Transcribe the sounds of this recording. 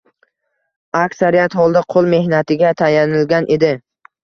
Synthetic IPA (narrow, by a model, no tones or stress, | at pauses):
akʲsaɾijat̪hɒlˠd̪aqʰolˠme̞hnat̪ɪɡʲat̪ʰajanɪlɡʲanʔe̞d̪ɪ